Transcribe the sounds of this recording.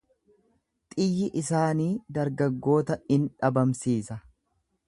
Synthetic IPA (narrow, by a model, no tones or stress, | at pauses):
t̪ʼɪjːɪʔɪsaːniːd̪ɐɾɡɐɡːo̞ːt̪ɐɪnᶑɐbɐmsiːsɐ